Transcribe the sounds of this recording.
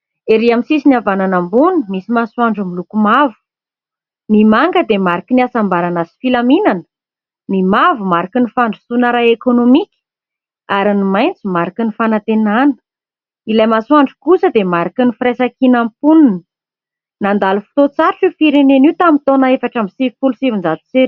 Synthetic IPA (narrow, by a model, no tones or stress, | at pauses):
eɾiamisisiniavananambunumisimasuaɳɖ͡ʐumilukumavu̥ | nimaŋɡəd̪emaɾakiniasambaɾanazi̥filaminan | nimavumaɾakinifaɳɖ͡ʐi̥sunəɾaekonomikʲə̥ | aɾinimajnt͡simaɾakənifanat̪enanə̥ | ilajmasuaɳɖ͡ʐikusəd̪emaɾakinifiɾesakinampuninə | nand̪alufu̥t̪ot͡saɾuʈ͡ʂifiɾeneniwt̪amit̪onaefaʈ͡ʂamisivifulusivind͡zat̪u̥t͡seɾ